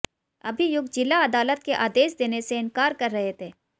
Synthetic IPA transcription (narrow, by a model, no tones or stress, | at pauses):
ɐ̰bʱijʊɡd͡ʒɪlaɐd̪aːlət̪keʔaːd̪eːʃd̪eːneseɪnkaːɾkɐɾːɐɦet̪ʰeː